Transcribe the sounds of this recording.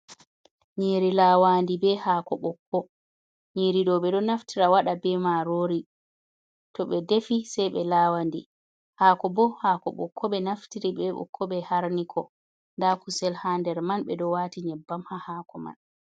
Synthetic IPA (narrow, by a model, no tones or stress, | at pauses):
ɲiːɾilawandibɛhaːkɔɓɔkʰːɔ | ɲiːɾiɗɔɓɛɗɔnaftʰiɾawaɗabɛmaɾoːɾi | tɔɓɛdefisɛjɓɛlaːwandi | haːkɔbɔhakɔ̰ɓɔ̰kʰːɔɓɛnaftiɾibɛɓɔ̰kʰːɔɓɛhaɾnikʰɔ | ndakusɛlhandɛɾmanɓɛɗɔwaːtiɲɛbːamhahaːkɔma̰n